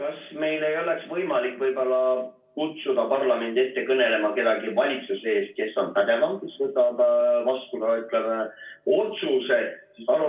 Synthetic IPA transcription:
kɑsme̞jle̞jo̞leksvɤjmɑlikːˑvɤjb̥o̞lːɑ | kut̪sud̪ɑpɑrlɑme̞nd̪iet̪ːe̞kɤne̞le̞mɑke̞d̪ɑɡivɑlʲit̪susee̞ːst̪̚ke̞sːo̞nt̪æd̪e̞vɑŋkiset̪ɑd̪vɑst̪uɡ̪ɑyt̪ːˑlemeo̞t̪suse̞sisɑlu

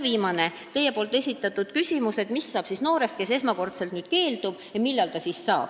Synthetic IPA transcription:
viːmɑne̞ | t̪e̞je̞poːlt̪ːˑe̞sʲit̪ːˑɑt̪ːˑud̪̥kysʲimuse̞t̪misːɑːb̥sisno̞ːɾe̞st̪̚ke̞se̞smɑko̞rt̪selt̪niːd̪̥̚ke̞ːld̪̥ub̥jɑmilːɑlt̪ɑsiːsːɑːb̥

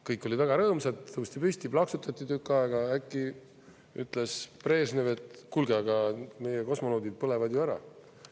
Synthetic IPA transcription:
kɤjkːˑo̞lʲid̪væɡ̥ɑɾɤːmsɑd̪ɤwust̪ipysʲt̪iplɑksut̪ːˑɑt̪ʲːˑit̪ykːˑɑeɡ̥ɑækːˑi | y̰t̪ːˑlespre̞ːsneve̞t̪ˑkulɡ̥eɑɡ̥ɑme̞jeko̞smonoːd̪id̪̥̚pɤle̞vɑd̪joæɾɑ̰

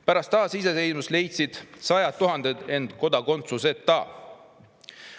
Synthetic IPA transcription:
pæɾɑst̪ːɑːsis̬esejnmusle̞jt̪ʲsid̪̥sɑjɑt̪ːuɦɑnd̪̥ed̪e̞nd̪̥ko̞d̪ɑko̞nt̪suse̞t̪ːɑː

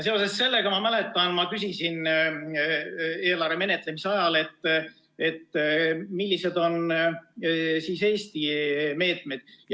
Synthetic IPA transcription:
s̬e̞o̞se̞sːe̞lːe̞ɡ̥ɑmɑmæle̞t̪ˑːɑnmɑkysisin | e̞ːlɑɾeme̞ne̞t̪ːˑle̞miseɑjɑle̞t̪ː | e̞t̪ːmilʲːise̞d̪o̞n | siːse̞ːst̪ime̞ːt̪ˑmed̪̥j

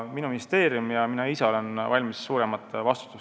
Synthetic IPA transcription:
minuminist̪e̞ːɾjumjɑminɑiseo̞le̞nvɑlʲmisːuːɾe̞mɑt̪ːˑvɑst̪u̥t̪ːˑus

